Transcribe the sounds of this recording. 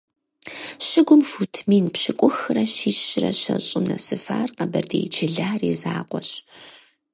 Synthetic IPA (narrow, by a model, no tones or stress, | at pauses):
ɕɪɡʷʊmfutʰmiːnpɕɪkʷʼʊxɨrɐɕiːɕɕɪrɐɕɐɕʼɪmnɐsɨfaːrqɐbɐrdeːjt͡ʃʰɪɮaːriːzaːqʷɔɕ